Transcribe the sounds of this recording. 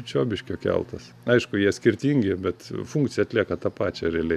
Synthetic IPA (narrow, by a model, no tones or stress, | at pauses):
t͡ʃʲoːbʲɪʃʲkʲoːkʲɛ̰lˠt̪ɐs | ɐɪʃkʊjiɛsʲkʲɪrʲt̪ʲiːŋʲɡʲɪbʲɛt̪fuŋkt̪sʲɪjɛɐt̪lʲiɛkɐt̪ɑːpɑːt͡ʃʲɛɾʲɛːlʲɛ